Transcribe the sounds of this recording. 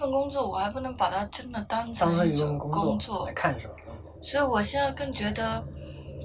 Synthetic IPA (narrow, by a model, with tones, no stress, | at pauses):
fə˥˧nkʊ˥ŋt͡swɔ˥˩wɔ˨˩xa˧˥ɪpu˥˩nɤ˧˥ŋpa˨˩t̪ʰa˥ʈ͡ʂə˥nd̪ə˨t̪a˥nt͡sʰə˥˧˥fə˥˩nkʊ˥ŋkʊ˥ɔ˥ŋt͡swɔ˥˩˧kʰa˥˩nʈ͡ʂə˨˩ | swɔ˧˥i˧˥˩wɔ˨˩ɕjɛ˥˧nt͡sa˥˧ɪkɤ˥˩ŋt͡ɕɥɛ˧˥d̪ə˧